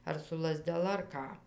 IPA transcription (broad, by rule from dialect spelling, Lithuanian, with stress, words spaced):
ɐr sʊ lˠɐzʲdʲɛˈlˠɐ ɐr ˈkɑː